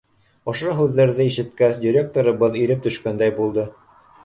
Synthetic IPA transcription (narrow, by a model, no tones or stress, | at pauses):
ŏʃoɦʉðːæɾðɘiʃɘ̆t̪kæsdʲiɾʲek̚t̪oɾɤ̆βɤðiɾɘp̚t̪ɵ̆ʃkænd̪æjbulˠd̪ɤ